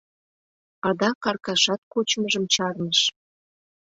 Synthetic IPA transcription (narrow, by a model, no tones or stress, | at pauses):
ɑd̪ɑkɑrkɑʃɑt̪̚kot͡ɕməʒəmt͡ɕɑrnəʃ